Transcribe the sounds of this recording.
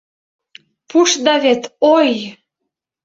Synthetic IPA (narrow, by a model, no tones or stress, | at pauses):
puʃd̪ɑβet̪oj